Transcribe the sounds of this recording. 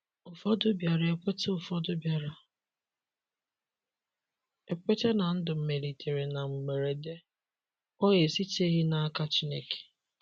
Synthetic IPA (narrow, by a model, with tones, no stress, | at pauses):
ʊ˨fɔ˦dʊ˦bja˨ɾa˨e˨kʷe˦te˦ʊ˨fɔ˦dʊ˦bja˨ɾa˨ | e˨k͡pʷe˦te˦na˨n̩˦dʊ˨m̩˨me˨li˨tʰe˨ɾe˨na˨ŋ͡m̩˨ɡ͡be˨ɾe˨de˦ | ɔ˦ɣe˨si˦te˦ɣɪ˦na˦a˦ka˦t͡ʃi˦ne˦ke̥˨